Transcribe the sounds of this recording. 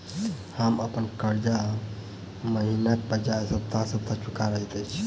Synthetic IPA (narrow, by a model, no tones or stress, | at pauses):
həməpənkəɾd͡ʒa | məɦinakebəd͡ʒajsəb̚t̪asəbt̪at͡ʃʰukaɾəɦit̪ət͡ʃʰ